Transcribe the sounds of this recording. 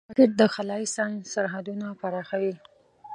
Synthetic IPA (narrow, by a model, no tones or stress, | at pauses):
ɑkɪʈ̚d̪əxalɑisɑnsaɾɦad̪unapaɾɑxawi